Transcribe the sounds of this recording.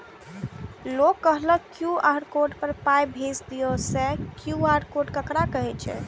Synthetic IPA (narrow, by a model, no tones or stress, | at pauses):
lokːəɦləkjuaɾkoɾɖpəɾpajbʱed͡ʒd̪iosɛkjuaɾkoɖkəkɾakəɦɛt͡ʃʰɛ̰